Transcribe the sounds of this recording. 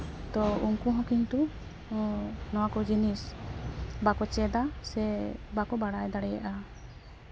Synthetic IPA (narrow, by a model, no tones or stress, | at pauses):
t̪ɔuŋkuɦɔ̃kiɲt̪u | nɔwakɔd͡ʒinis | bakɔt͡ʃɛd̪asɛbakɔbaɽajd̪aɽɛjaʔa